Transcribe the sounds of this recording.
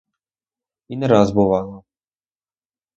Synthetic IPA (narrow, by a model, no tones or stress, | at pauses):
inɾazbɔvalˠa